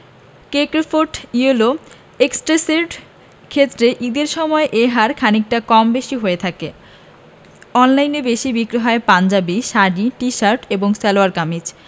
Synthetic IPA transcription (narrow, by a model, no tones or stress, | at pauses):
kekɾfʰoɾʈiolo | eksʈɾeseɾɖ | kʰet̪ːɾeʔid̪eɾʃɔmɔeʔeɦaɾkʰanik̚ʈakɔmbeʃiɦoet̪ʰake | ɔnlajnebeʃibikɾoɦɔepand͡ʑabiʃaɖiʈiʃaɾʈeboŋsɛloaɾkamid͡ʑ